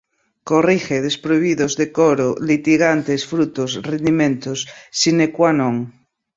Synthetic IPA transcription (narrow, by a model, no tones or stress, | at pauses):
korixeðespɾoiβiðozðekoɾolit̪iɣant̪esfɾut̪osrend̪imẽnt̪osːinekwanõŋ